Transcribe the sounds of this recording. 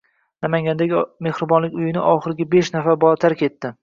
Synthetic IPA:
namaŋʲand̪aɡʲme̞hɾɪbɒnlɪkʲʊjɪnɪʔɒχɨɾɪɡʲabeʃnafaɾbɒt̪ʰaɾkʲe̞t̪ːɪ

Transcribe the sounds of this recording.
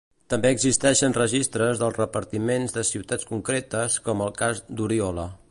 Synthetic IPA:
t̪əmbeəɡzist̪ɛʃənrəʒist̪ɾəzðəlˠzrəpəɾt̪imenzðəsiwt̪at͡skuŋkɾet̪əskɔməlˠkazd̪uɾiɔlə

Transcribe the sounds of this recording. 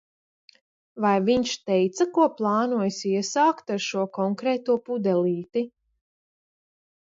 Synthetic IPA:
vajviɲʃt̪ɛjt̪sɐkuɔplˠɑːnuɔjsiɛsaːkt̪aɾʃuɔkɔŋkɾɛːt̪uɔpud̪ɛlˠiːt̪i

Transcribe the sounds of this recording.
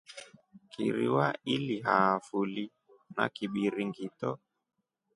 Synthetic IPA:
kiɾḭwailiɦaːfuli | na̰kiɓiɾiŋɡitɔ

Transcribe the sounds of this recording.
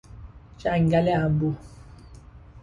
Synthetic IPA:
t͡ʃaŋ̩ɡalɛambu

